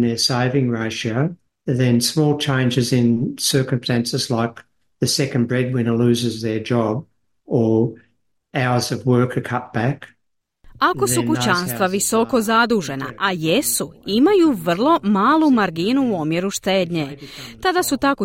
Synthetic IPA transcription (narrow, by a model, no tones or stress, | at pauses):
nðə˞seɪvɪ̃ŋɹeɪʃə | ðɨ̃nsmɔlˠt͡ʃʰẽɪ̃nd͡ʒɨzɪ̃nsɜ˞kə̃mstæ̃nsɨzlaɪk | ðɨsɛkɨ̃nbɹɛd̚wɪ̃nəlʉzɨzðə˞d͡ʒɑb | ə˞ | aʊə˞zʌvwɜ˞kʰɨkʰʌt̚b̥æk | ako̞sukut͡ɕanstt̪ʋaʋiso̞ko̞zad̪uːʒe̞na̰ʔajesuimajuʋr̩lˠo̞maːlˠumaɾɡinuomjeɾuʃt̪eːd̪ɲet̪ad̪asut̪ako